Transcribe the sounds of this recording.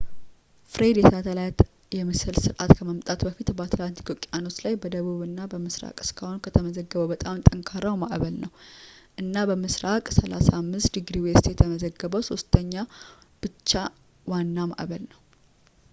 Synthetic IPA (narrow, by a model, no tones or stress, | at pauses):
fɾed̪jɛt̪ʰət̪ʰəlajt̪ | jɛmɨsɨlsɨɾʔat̪kʰəməmt̪ʼat̪bəfit̪bəat̪ʰlant̪ʰi̥k̪ʰokʼjano̞t͡ʃlajbəd̪əβuβɨnːabəmɨsɾa̰kʼɨ̥skʰahonkʰət̪ʰəməzəɡːəβəwbət̪ʼamt̪ʼəŋkʰaɾawmaʔβəlnəwʔɨnːabəmɨsɾakʼsəlasamːɨst̪d̪iɡɾiwest̪jɛt̪ʰəməzəɡːəβəwso̞st̪ʰəɲːab̥ɨt͡ʃːa | wanːama̰ʔβəlnəw